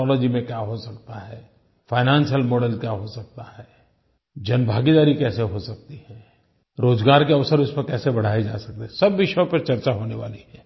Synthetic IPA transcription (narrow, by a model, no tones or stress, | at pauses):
ɔːlɔːd͡ʒimẽkjaːɦosɐkt̪aɦɛː | faːɪnãːnsijəlmoːɖəlkjaɦosɐk̚t̪aɦɛː | d͡ʒɐnbʱaːɡid̪aːɾikɛːseɦosɐk̚t̪iɦɛ̃ː | ɾoːzɡaːɾkeɐʋsəɾʊspɐɾkɛːsebɐɽ̤aːed͡ʒa̰ːsɐk̚t̪eɦɛsɐbʋɪʃjõpɐɾt͡ʃɐɾt͡ʃaɦoːneʋa̰ːliɦɛː